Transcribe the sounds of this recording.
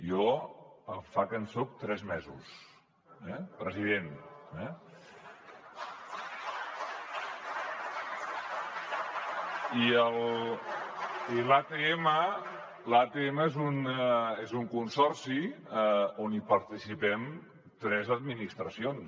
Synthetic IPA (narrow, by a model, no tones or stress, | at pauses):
jɔəfakənsok̚t̪ɾɛzmɛzṵs | ɛpɾəziðenɛ | iəl | ilat̪eemə | lat̪eeməezunezuŋkunsɔrsi | onipəɾt̪isipɛm | t̪ɾɛzəd̪minist̪ɾəsions